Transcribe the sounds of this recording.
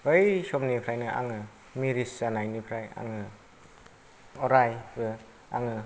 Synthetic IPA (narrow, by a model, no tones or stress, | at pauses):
ɯjsɔmnipʰɾajnɯʔa̰ŋɯ | miɾisːanajnipʰɾaja̰ŋɯ | ɔɾajbɯ | a̰ŋɯ